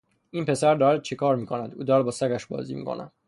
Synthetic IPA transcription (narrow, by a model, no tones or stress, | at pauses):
ʔiːnpʰe̞sæɾd̪ɒːɾæd̪̚t͡ʃʰekʰɒːɾmiːkʰo̞næd̪ʔuːd̪ɒːɾæd̪̚bɒːsækæʃbɒ̰ːzḭːmḭkʰo̞̰nʔæ̰d̪